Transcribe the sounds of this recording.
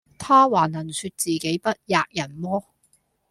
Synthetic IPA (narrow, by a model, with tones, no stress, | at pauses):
t̪ʰaː˥waː˨˩nɐ˨˩nsyː˧t̚t͡siː˨ke˨˥jpɐ˥t̚jaː˧k̚jɐ˨˩nmɔː˥